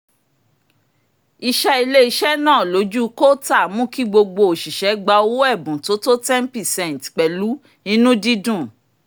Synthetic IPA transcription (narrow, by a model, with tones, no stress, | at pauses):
i˧ʃɛ˧˦i˧le˦i˧ʃɛ˦nãː˦˨lo˨˦d͡ʒu˦ko˦ta˦˨mũ˦ki˦ɡ͡bo˧ɡ͡bo˧o˨ʃi˨ʃɛ˨˦ɡ͡ba˧o˦wo˦ɛ˦˨bũ˨to˨˦to˦tɛ˦n˦pi˦˨sɛ̃˨n˨tk͡pɛ˨lu˨˦ | nĩ˦nũ˦di˦dũ˦˨